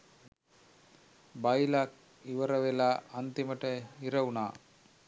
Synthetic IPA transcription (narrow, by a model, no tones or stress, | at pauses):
bajlak | iʋəɾəʋelaːnt̪iməʈəɦiɾəunaː